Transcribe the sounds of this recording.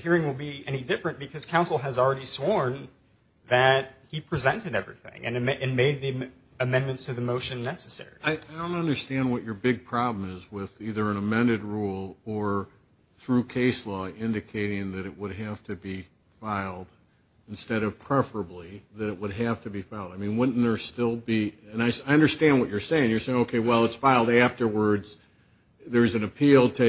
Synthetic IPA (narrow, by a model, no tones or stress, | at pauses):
hiɹɪ̃ŋwəlˠbiɛñidɪfɹɨ̃nb̥ɨkʰʌz̥kʰãʊ̃nsl̩ˠɨzl̩ˠɹɛɾiswɔɹn | ðɨt̚hipʰɹ̥izɛ̃ntɨɾɛvɹḭθɪ̰̃ŋɨ̰̃nɨʔɨ̃nmeɪd̪̚ði | ɨmɛ̃nmɨ̃ntstʰɨðɨmoʊʃɨ̃nːɛsɨsɛ̰ɹḭaɪaɪdõʊ̃ntʌ̃ndə˞stæ̃nd̚wʌt͡ʃə˞bɪɡ̚pʰɹ̥ɑblm̩ɪzwɪðiðə˞ɨ̃nəmɛ̃ndɨd̚ɹulˠə˞ | θɹʉkʰeɪslɔɪ̃ndɨkʰeɪɾɪ̃ŋðɨɾɨʔ̚wəd̚ɦæftʰɨbi | faɪlˠd̥ | ɨ̃n̩stɛɾʌv̥pʰɹ̥ɛfə˞əbliðɨɾɨt̚wəd̚æftɨbifaɪlˠdaɪmĩnwɪn̩ə˞stɪlˠbiɨ̃naɪaɪʌ̃ndə˞stæ̃nd̚wʌt͡ʃə˞seɪɪ̃ŋjə˞seɪɪ̃ŋoʊkʰeɪwɛlˠətsfaɪlˠdæftə˞wə˞dz̥ | ðə˞zɨ̃nɨpʰilˠtʰɨ